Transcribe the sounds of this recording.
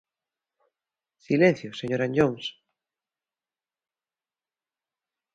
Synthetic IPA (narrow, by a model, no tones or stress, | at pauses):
silẽn̟θjoseɲoɾãɲʎoŋs